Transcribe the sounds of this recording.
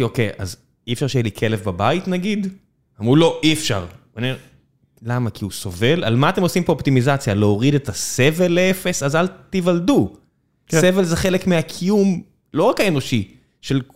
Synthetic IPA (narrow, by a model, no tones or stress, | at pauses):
okejʔa̰z | iefʃaʁʃejelikʰe̞lefbabait̪naɡid̪ | amʁulo̞ʔiefʃa̰ʁnime | lamakʰiuso̞̰ve̞lʔalmaːt̪e̞mo̞simbeopt̪imizat͡sjaleoʁid̪et̪ase̞ve̞lːee̞fe̞sazalt̪ivald̪u | se̞ve̞lzeχele̞kmeakʰijum | lo̞ʁakaeno̞ʃi | ʃel